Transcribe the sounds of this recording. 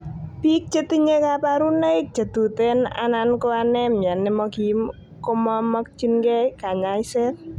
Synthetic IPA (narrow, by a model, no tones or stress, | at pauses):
b̥ik̚t͡ʃət̪iɲekapaɾunejk̚d͡ʒ̥ə̤d̪̥ṳt̪ena̰nankoanemijanːemɔɡim | kɔmɔmɔk̚t͡ʃinkekaɲaisɛ